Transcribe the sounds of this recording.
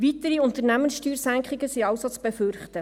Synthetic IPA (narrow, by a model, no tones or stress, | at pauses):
ʋitəɾiʊntəɾnæmənsʃtyːɾsæŋkχɪɡəsiɑʊsot͡sb̥efʏɾχtə